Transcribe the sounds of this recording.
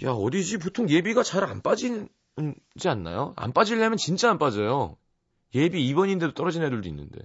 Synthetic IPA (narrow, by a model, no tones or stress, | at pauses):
jaʌdid͡ʑip̬otʰoŋje̞biɡat͡ɕaɾanp͈ad͡ʑin | ɯnd͡ʑianːa̰joa̰np͈ad͡ʑiʎːamjʌnt͡ɕint͡ɕ͈aːnp͈ad͡ʑʌjo | je̞biːbʌɲinde̞dot͈ʌɾʌd͡ʑinɦe̞duɭduinːɯ̰nde̞̰